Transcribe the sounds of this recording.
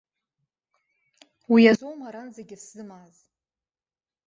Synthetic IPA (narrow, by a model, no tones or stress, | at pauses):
wijazowmaɾanzaɡʲɪsz̥ɨmaz